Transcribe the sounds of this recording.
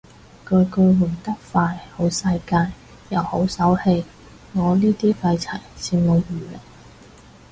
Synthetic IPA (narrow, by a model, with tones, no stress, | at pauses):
kɵ˧kɵ˧wu˨˩t̪ɐ˥k̚faː˧jho˨˥wsɐ˧jkaː˧jː | ɐ˨who˨˥wsɐ˨˥whe˧j | ŋɔː˨˧liː˥t̪iː˥fɐ˧jt͡sʰɐ˨˩jsʰiː˧nno˨˧wjyː˨˩le˨˩ŋ